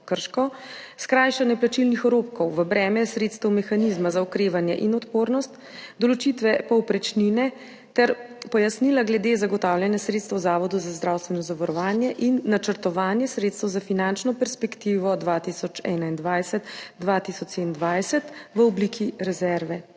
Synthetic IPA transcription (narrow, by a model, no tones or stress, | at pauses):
kəɾʃkɔ | skɾaːjʃanjɛplat͡ʃilnixɔɾoːp̚kɔwʋəbɾɛːmɛsɾet̪st̪ɛwmɛxanizmazaɔkɾeːʋanjɛ̰ʔinɔt̪poɾnɔst̪ | d̪ɔlɔt͡ʃit̪ʋɛpɔwpɾɛt͡ʃninɛ | t̪ɛɾ | pɔjasnilaɡlɛd̪ezaɡɔt̪awljɛnjɛsɾet̪st̪ʋɐwzaːʋɔd̪uzazd̪ɾawst̪ʋɛnɔzaʋɔɾɔʋaːnjɛʔinːat͡ʃəɾt̪ɔʋaːnjɛsɾeːt̪st̪əwzafinant͡ʃnɔpɛɾspɛkt̪iːʋɔd̪ʋaːt̪isɔt͡ʃɛ̰ːnaind̪ʋajsɛt̪d̪ʋat̪isɔt͡ʃ̪end̪ʋajsɛt̪ʋəɔblikʰiɾɛzɛɾʋɛ